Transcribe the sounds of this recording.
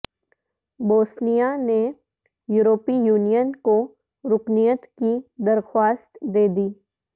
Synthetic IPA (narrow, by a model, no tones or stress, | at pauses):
boːsnijane | juːɾoːpijuːnijənko | ɾʊknijət̪kid̪əɾxwaːst̪d̪eːd̪iː